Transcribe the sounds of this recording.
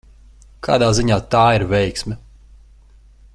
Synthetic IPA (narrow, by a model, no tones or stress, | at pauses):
kʰa̰ːd̪aːziɲaːt̪aːiɾvʲɛjksmʲɛ